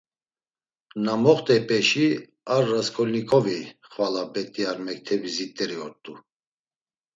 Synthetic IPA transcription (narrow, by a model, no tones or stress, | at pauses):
namɔχt̪ʼɛpʼɛʃi | aɾːaskʰɔlnikʰʼɔviχvalabɛt̪ʼiaɾmɛk̚t̪ʰɛbizit̪ʼːɛɾiɔt̪ʼːu